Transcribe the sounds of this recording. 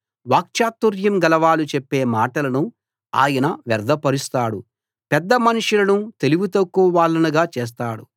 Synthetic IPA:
ʋaːk̚t͡ʃaːt̪ːuɾjɐmɡɐlɐʋaːlut͡ʃepːeːmaːʈɐlɐnu | a̰ːjɐnɐʋɛɾd̪ɐpɐɾist̪aːɽu | pɛd̪ːɐmɐnuʂulɐnut̪e̞liɡut̪ɐkːuːʋaːlːɐnuɡaːt͡ʃɛːs̬t̪aːɽu

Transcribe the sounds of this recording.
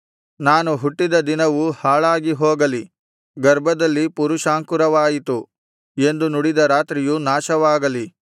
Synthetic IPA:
naːnuɦuʈːid̪ɐd̪inɐʋuhaːɭaːɡiɦoːɡɐli | ɡɐɾbʱɐd̪ɐlːipuɾuʃaːŋkuɾɐʋaːjit̪u | e̞nd̪unuɽid̪ɐɾaːt̪ɾijunaːʃɐʋaːɡɐli

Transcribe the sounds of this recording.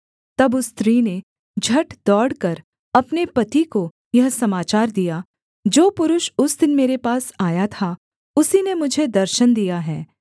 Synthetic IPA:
t̪ɐbʊst̪ɾiːne | d͡ʒʱɐʈd̪̥ɔːɽkɐɾ | ɐpnepɐt̪iko | jɐɦsɐmaːt͡ʃaːɾd̪ija | d͡ʒoːpʊɾʊʃʊsd̪ɪnmeːɾepaːsaːjat̪ʰa | ʊsinemʊd͡ʒʱed̪ɐɾʃənd̪ijaɦɛː

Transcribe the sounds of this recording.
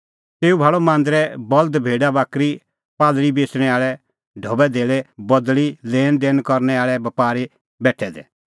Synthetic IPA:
t̪eːubʱaːɭɔmãːnd̪ɾɛbɔlt̪bʱeːɖabaːkɾi | paːd̪ɭibeːsɽ̃ɛaːɭɛ | ɖʱɔːbɛd̪ʱeːɭɛbɔd̪lileːnd̪eːnkɔɾnɛaːɭɛbɐpaːɾi | bɛːʈʰːɛd̪ɛ̰

